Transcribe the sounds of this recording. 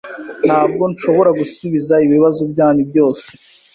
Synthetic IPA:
n̥haːb̚ɡo̞nʃo̞βo̞ɾaɡusuβizaiβiβazobjaːnibjo̞ːse

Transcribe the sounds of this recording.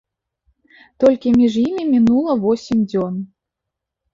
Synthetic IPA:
t̪ɔlʲkʲimʲiʐjimʲimʲinulˠɐvɔsʲimʲd͡zʲɔn

